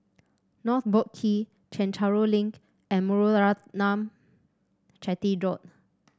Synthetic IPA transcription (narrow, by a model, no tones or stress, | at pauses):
nɔt̪̚bɔkʰːi | t͡ʃɛ̃nt͡ʃaɹolĩŋk | ɛ̃nmɔɹoɹanãm | t͡ʃɛtidɹɔt̚